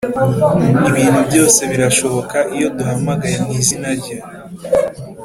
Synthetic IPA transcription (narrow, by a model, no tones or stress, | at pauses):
iβiːnhubɟo̞ːse̞βiɾaʃo̞βo̞kaʔijo̞duhamaɡajeniːzinaɾɟa